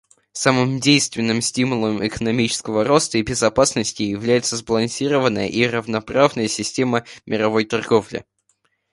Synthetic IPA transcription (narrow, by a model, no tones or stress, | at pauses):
samɨmdʲejst̪vʲɪnːɨmsʲtʲimʊlˠəmɪkənɐmʲit͡ɕɪ̥skəvəɾo̞st̪əibʲɪzɐpasnəsʲtʲɪjɪvlʲæjɪt̪səzbəlˠɐnsʲiɾəvənːəjə̰ʔirəvnɐpɾavnəjəsʲɪsʲtʲe̞məmʲɪɾɐvo̞jt̪ɐrɡo̞vlʲɪ̰